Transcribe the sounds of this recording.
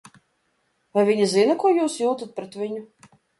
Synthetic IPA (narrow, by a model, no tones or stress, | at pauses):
vajvʲiɲʲizinɐkuɔjuːsjuːt̪at̪̚pɾɛt̪vʲiɲʊ